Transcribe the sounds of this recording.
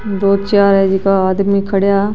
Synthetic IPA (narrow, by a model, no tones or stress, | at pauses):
d̪oːt͡ʃaːɾɛd͡ʒikaaːd̪mikʰɐɽja